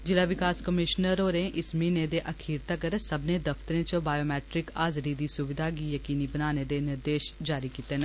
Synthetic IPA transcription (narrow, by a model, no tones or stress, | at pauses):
d͡ʒɪlaʋɪkaːskɐmɪʃnəɾoːɾẽʔɪsminẽd̪eʔɐkʰiːɾt̪akəɾsɐbnẽd̪ɐft̪əɾẽt͡ʃəbaːjoːmɛːʈɾɪkaːzɾid̪isʊʋɪd̪ʱak̬ijɐkiːnibɐnaːned̪enɪɾd̪eːʃd͡ʒaːɾikiːt̪enɛ̃